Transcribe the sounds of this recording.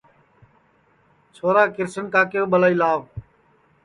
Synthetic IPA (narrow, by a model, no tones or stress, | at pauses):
t͡ʃʰoːɾaːkɪɾsənkaːkɪjoːɓəlaːiːlaːʋ